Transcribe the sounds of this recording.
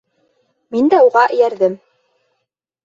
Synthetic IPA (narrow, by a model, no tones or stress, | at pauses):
mind̪æuʁɑʔɘ̆jæɾðɘm